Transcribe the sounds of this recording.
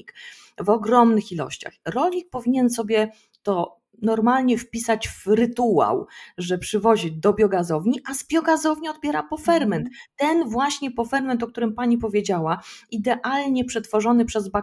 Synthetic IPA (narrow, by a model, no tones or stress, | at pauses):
ik | vɔɡɾɔmnɘxilɔ̰ɕt͡ɕa̰xɾɔlʲɲik̚pɔvʲiɲɛnsɔbʲjɛ | t̪ɔ | nɔɾmalɲɛfpʲisat͡ɕvɾɘt̪ua̰wʐɛpʂɘvɔʑid̪ɔbʲjɔɡazɔvɲiʔazbʲjɔɡazɔvɲiɔd̪̚bʲjɛɾapɔfɛɾmɛnt̪ːɛnvwaɕɲɛpɔfɛɾmɛnt̪ɔkt̪uɾɘmpaɲipɔvʲjed͡ʑawaid̪ɛʔalɲɛpʂɛt̪fɔʐɔnɘpʂɛzba